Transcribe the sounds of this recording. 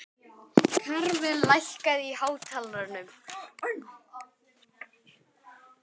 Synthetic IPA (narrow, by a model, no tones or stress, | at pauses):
kʰaɾvɪðlajhkaðihaːwt̪ʰalɾanʏm